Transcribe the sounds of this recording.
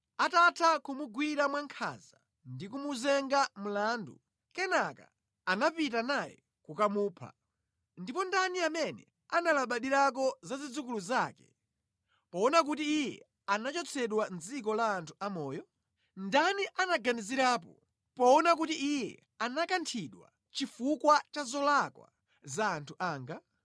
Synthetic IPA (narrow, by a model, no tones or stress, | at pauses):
atatʰakumuɡwiɾamwaŋkʰa̰za | ndikumuzɛŋɡamulaːndṵ | kɛnaka̰ | anapitanajɛ̰ | kukamuːpʰa̰ | ndipɔndaniamɛnɛ̰ | analaɓaɗiɾak̬ɔzazid͡zukuluzaːkɛ̥̰ | pɔɔnak̬utiːjɛ | anat͡ʃɔt͡sʰɛɗwand͡zikɔlaːntʰu̥amɔːjɔ | ndaniʔanaɡaniziɾaːp̬ɔ | pɔɔnak̬utiʔijɛ̰ | anakantʰiɗwa̰ | t͡ʃifukwat͡ʃazɔlakwa̰ | zaːntʰuʔaːŋɡa